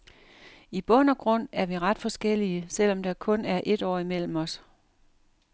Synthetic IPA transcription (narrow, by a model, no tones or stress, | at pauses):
ib̥ɔ̽n̰ɒ̽ɡ̥ʁɔ̽n̰æɐʋiʁɑ̈d̥fɒ̽sɡ̥el̰iəsel̰ɒ̽md̥ɑ̈kʰɔ̽næɐʔe̝d̥ɒ̰ːimel̰m̩ɒ̽s